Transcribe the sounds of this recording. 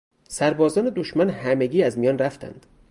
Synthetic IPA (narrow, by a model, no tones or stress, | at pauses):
sæɾbɒːzɒːne̞d̪oʃmænhæmeɡiːæzmijɒːnræft̪ʰæ̰nd̪̥